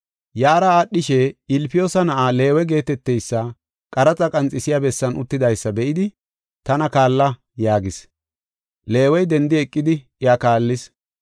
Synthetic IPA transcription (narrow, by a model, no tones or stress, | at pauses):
jaːɾɐaːɗːɪʃɛɪlpɪjoːsɐnɐʔale̞ːwɛɡe̞ːt̪ɛt̪ːɛjsːɐ | kʼɐɾɐt͡sʼɐkʼɐnt͡sʼɪsɪjabɛsːɐnʊt̪ːɪd̪ɐjsːɐbɛʔɪd̪ɪ | t̪ɐnɐkaːlːɐ | jaːɡɪs | le̞ːwɔjd̪ɛnd̪ɪɛkʼːɪd̪ɪ | ɪakaːlːɪs